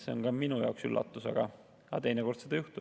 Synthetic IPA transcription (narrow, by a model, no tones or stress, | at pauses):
seonkɑminujɑ̰ˑoksylːɑ̰t̪ːˑusɑ̰ɡ̥ɑ | ɑt̪e̞jneko̞rd̪̥se̞d̪ɑjuht̪u